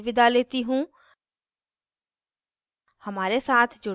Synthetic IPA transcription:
ʋɪd̪aleːt̪iːɦũː | həmaːɾesaːt̪ʰd͡ʒʊ

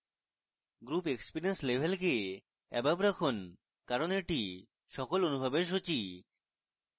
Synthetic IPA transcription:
ɡɾupekspiɾienslebʱelk̬e | ɛ̰babɾakʰon | kaɾoneɾʈi | ʃɔkolonubʱabeɾʃ̬ot͡ɕi

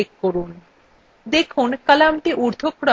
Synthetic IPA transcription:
ekkoɾun | d̪ekʰunkalamʈiʔuɾd̪ʱokɾɔ

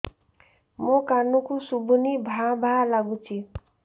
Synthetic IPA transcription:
mokanukusubʱunibʱabʱalaɡut͡sʰi

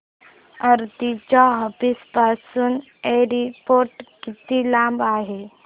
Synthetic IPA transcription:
əɾt̪it͡ɕaɦəpispasuːn | eɾipoɾʈkit̪ilãmbaːɦe

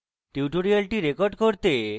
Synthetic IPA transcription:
ʈiwʈoɾialʈiɾekoɾɖkoɾt̪e

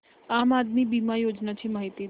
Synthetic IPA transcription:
amad̪mibimajod͡ʒnat͡ʃʰimaɦit̪i

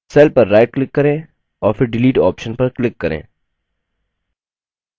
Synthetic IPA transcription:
sɛːlpɐɾːaːɪʈ̚klɪkːɐɾẽ | ɔːɾfɪɾɖɪliːʈɔ̰ːpʃənpɐɾklɪkːɐɾḛ̃ː

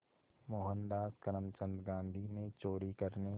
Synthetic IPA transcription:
moːɦənd̪aːskəɾəmt͡ʃə̃nd̪ɡãːnd̪ʱinet͡ʃoːɾikɐɾne

